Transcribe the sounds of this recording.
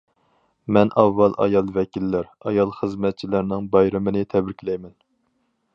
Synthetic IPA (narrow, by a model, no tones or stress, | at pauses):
mɛnʔɑvːɑlˠʔɑ̰jɑlˠvɛkʲilːæɾ | ɑjɑlˠχəzmɛt̪̚t͡ʃʰilæɾnɪŋbɑjɾɨmɨnɪt̪ʰɛbɾɪkʲlɛjmɛn